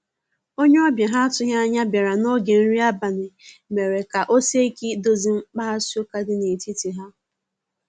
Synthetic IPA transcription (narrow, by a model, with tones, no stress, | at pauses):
o˦ɲe˦ɔ˦bja˨ɦa˦a˦tʊ˦ɦja˦a˦ɲa˦bja˨ɾa˨no˦ɡe˨n̩˦ɾi˦a˦ba˨nɪ˨me˨ɾe˨ka˨ʔo˦se˦i˦ki˦do˦zi˦ŋ͡m̩˦k͡pa˦ɦa˦si˦o˦ka˦dɪ˦ne˨ti˦ti˨ɦa˦